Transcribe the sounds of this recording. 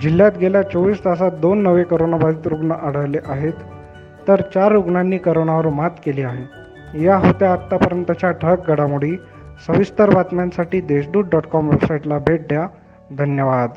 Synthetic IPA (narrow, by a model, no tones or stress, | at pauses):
d͡ʑiljat̪ɡʱeljat͡soʋiːst̪asat̪̚d̪onːəʋekəɾonabad̪iːt̪ɾuɡnəʔaɽ̤əʋleʔaɦet̪ː | əɾt͡ɕaɾːuɡɳanːiːkəɾoɳaʋəɾmat̪keliːaɦe | jaɦot̪jaːt̪ːapəɾənt̪ət͡ɕjaʈʰək̚ɡəɽamuɽ̤iː | səʋist̪əɾbʱat̪mjãnsaʈiːd̪eɕɖ̪uːɽɖɔʈkɔmʋebsajʈlabʱeʈ̚d̪ja | d̪ʱənjəʋad̪